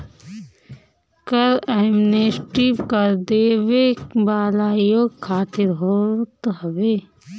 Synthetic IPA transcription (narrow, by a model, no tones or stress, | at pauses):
kɐɾemnesʈipkɐɾd̪eːʋeːkbaːlaːjoːkʰːaːt̪iɾɦoːt̪ɦɐʋeː